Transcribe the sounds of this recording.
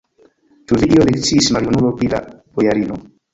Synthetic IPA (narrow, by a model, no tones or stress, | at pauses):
tuvidiolekt͡siːsmaljunulopɾila̰b̥ojaɾino